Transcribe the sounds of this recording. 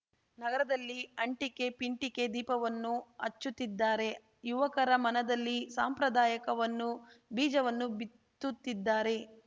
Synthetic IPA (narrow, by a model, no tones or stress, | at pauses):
nɐɡɐɾɐd̪ɐlːiɐɳʈike̞piɳʈike̞d̪iːpɐʋɐnːuɐt͡ʃːut̪ːid̪ːaːɾe̞ | juʋɐkɐɾɐmɐnɐd̪ɐlːisaːmpɾɐd̪aːjɐkɐʋɐnːubiːd͡ʒɐʋɐnːubi | t̪ːut̪ːid̪ːaːɾe̞